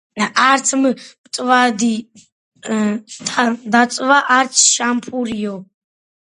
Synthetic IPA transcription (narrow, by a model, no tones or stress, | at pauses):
aɾt̪sʰmb̥t̪ʼvad̪i | t̪ʰad̪asʼvaʔaɾt̪sʰʃampʰuɾiɔ